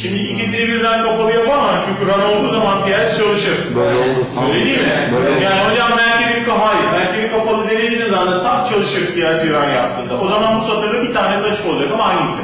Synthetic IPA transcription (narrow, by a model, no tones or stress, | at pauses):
ʃimd̪iicisinɛbiɾd̪ænkapalˠɯjapamat͡ʃʰyɲcyɾano̞lˠd̪uːzamanpijɛst͡ʃʰalˠɯʃɯɾ̥bøolubøjlʲed̪iːmɪjaːniɦod͡ʒammbælʲcibiɾkafajɯɾbælʲcʰibikapalˠɯd̪elʲed̪iːnimzat̪ant̪ʰak̚t͡ʃʰalˠɯʃɯɾd̪ijæɾsiɾanjap̚t̪ʰɯːnd̪aʔo̞zamanbusat̪ɯɾlˠɯbit̪ʰaːnesat͡ʃɯ̥ko̞lˠad͡ʒakamaajnɯsɯ